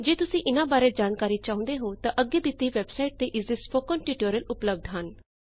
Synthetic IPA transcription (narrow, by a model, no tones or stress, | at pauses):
d͡ʒeːt̪ʊsẽʔɪnabaːɾet̪d͡ʒaːnkaːɾit͡ʃaũnd̪eɦot̪ɐʔəɡed̪ɪt̪iʋebsaiʈ̚t̪eʔɪzd̪ɪsfokɔ̃nʈiʈoɾəlʊpləb̚d̪ʱɦan